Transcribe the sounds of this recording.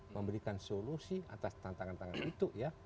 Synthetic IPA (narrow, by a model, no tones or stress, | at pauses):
məmbəɾikansolusia̰t̪ast̪ant̪aŋant̪aŋanit̪uja